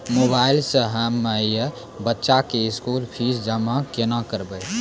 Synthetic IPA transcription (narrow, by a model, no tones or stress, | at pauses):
moːbaːɪlsəɦəməjə | bətːʃakeɪskuːlpʰisd͡ʒəmãkenakəɾbəj